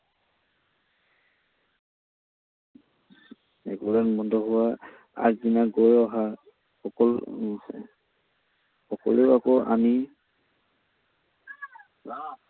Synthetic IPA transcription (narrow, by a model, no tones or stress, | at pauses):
ɛ̰ɡulanmɔndɔɦʊwa | a̰kdinaɡojɔɦa | xɔkɔl | xɔkɔ̰leakɔa̰mi